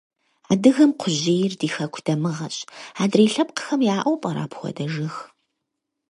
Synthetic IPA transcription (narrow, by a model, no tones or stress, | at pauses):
aːdɨɣɐmqʷʰʊʑiːjɪrdiːxɐkʷʰd̥ɐmɨʁɐɕʼaːdreːɬɐp̚qə̥xɐmjaːʔɔwpʼɐɾa̰ːpʰxʷɔ̰dɐʒɨx